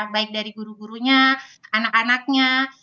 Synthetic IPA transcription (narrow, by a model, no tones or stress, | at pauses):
baɪk̚daɾiɡuɾuɡuɾuɲaanakanak̚ɲa